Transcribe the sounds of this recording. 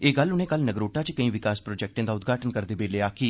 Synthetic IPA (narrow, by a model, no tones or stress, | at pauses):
eːɡəlʊnẽːkəlnəɡɾoːʈaːt͡ʃkəĩːʋɪkaːspɾoːd͡ʒɛːk̚ʈẽːd̪aːʊd̪ɡʱaːʈənkəɾd̪eːbeːleːaːki